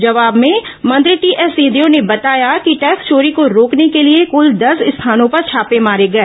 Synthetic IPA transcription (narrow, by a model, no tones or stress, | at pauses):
d͡ʒɐʋaːbmẽmɐ̃nd̪ɾiʈiːʔɛːsiːd̪iõnebɐt̪aːjakiʈɛːkst͡ʃoːɾikoɾoːknekeliekʊld̪ɐsɪst̪ʰaːnõpɐɾt͡ʃʰaːpemaːɾeɡɐeː